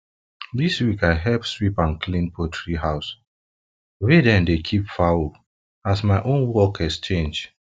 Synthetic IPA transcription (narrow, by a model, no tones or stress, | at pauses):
diswikaɪɦɛlpswipãnkʰlĩnpʰɔtʰɹiɦaʊs | wedɛ̃ndekʰipfawo | asmaɪʔõnwɔkɛst͡ʃẽnd͡ʒ